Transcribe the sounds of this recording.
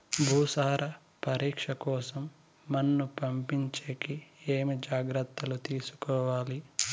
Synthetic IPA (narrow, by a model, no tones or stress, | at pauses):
bʱuːsaːɾʔɐ | pɐɾiːkʂɐkɔːsɐmː | ɐnːupɐmpiɲt͡ʃeːkieːmid͡ʒaːɡɾɐt̪ːɐlut̪iːsu̥kɔːʋaːli